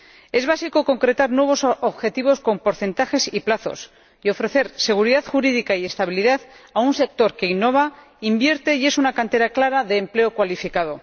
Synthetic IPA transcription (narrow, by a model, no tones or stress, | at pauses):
e̞zβ̞asikoko̞ŋkɾe̞t̪aɾnwe̞βo̞soβxe̞t̪iβ̞o̞sko̞mpo̞ɾθe̞nt̪axe̞siplaθo̞̰s | io̞fɾe̞θe̞ɾse̞ɣ̞uɾiðaðxuɾiðikaie̞st̪aβ̞iliðaðaunse̞k̚t̪o̞ɾke̞inːo̞β̞a | imbjeɾt̪e̞ie̞sunakant̪e̞ɾaklaɾaðe̞ːmple̞o̞kwalifikað̞o̞